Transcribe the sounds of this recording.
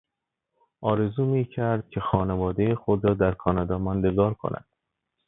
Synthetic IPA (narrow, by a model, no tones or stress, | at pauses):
ʔɒːɾe̞zuːmiːcʰæɾd̪̥̚cʰe̞xɒːnevɒːd̪ejexod̪ɾɒːd̪æɾkʰɒːnɒːd̪ɒːmɒːnd̪eɡɒːɾkʰo̰næ̰d̪̥